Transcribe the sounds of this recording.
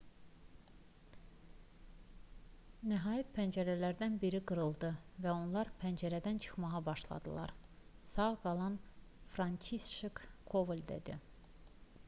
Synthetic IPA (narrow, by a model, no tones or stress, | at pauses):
næɦɑːjæt̪̚pʰænd͡ʒæɾælæɾd̪ænbiɾiɡɯɾɯlˠd̪ɯvæo̞nlˠɑɾpʰænd͡ʒæɾæd̪ænt͡ʃʰɯ̥χmɑʁɑbɑʃlˠɑ̰d̪ɯlˠɑ̰ɾ | sɑʁɡɑlˠɑn | fɾɑnt͡ʃʰisʃekkʰːovlʲd̪ḛd̪i